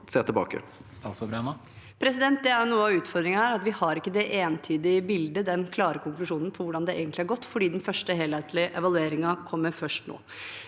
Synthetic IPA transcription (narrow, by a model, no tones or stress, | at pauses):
seːt̪ʰɪlbɑ̰ːkə̰ | st̪ɑsɔbɾɛnə | pʰɾɛs̬ɪd̪ɛnt̪̚d̪ɛæɾjʊnuːəɑʋʉːt̪fɔɾd̪ɾɪŋæːɾɑt̪ʋɪhɑɾɪkːəd̪ɛʔeːnt̪ʰyːd̪ɪəbɪld̪əd̪ɛnkʰlɑːɾəkʰʊŋklʉʂuːnn̩pʰɔʋʊɖɑnd̪ɛḛːɡənt̪lɪæɾɡɔt̪ːfɔɖiːd̪ɛn̩fœʂʈəɦeːlheɪt̪lɪʔɛʋɑlʉeːɾɪŋɑkʰɔmːəɾfœʂʈno̰ː